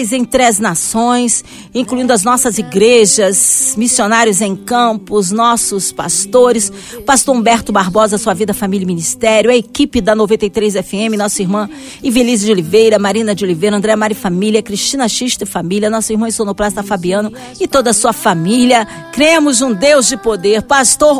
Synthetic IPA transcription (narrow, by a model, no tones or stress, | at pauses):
jzẽj̃t̪ɾɐznasõj̃s | ĩkluĩnd̪ʊɐznɔsɐziɡɾeʒɐzmisionaɾjʊzẽj̃kɐ̃pʊznɔsʊspa̰st̪oɾɪs | past̪oɾõbɛɾt̪ʊbaɾbɔzɐsuɐvid̪ɐfamiljɐminist̪ɛɾjʊɐekipɪd̪ɐnovẽnt̪ejt̪ɾejzɛfɪẽmɪnɔsʊiɾmɐ̃ | ɪvilizd͡ʒɪolivejɾɐmaɾĩnɐd͡ʒɪolivejɾɐ̃nd̪ɾɛɐmaɾifamiljɐkɾiʃt͡ʃĩnɐʃiʃd̪ɪfamiliɐnɔsʊiɾmɐ̃ɪstonʊpɾast̪ɐfabiɐ̃nʊ | ɪt̪od̪ɐsuɐfamiliɐ | kɾiẽmʊzũd̪ewzd͡ʒɪpod̪eɾpast̪oɾ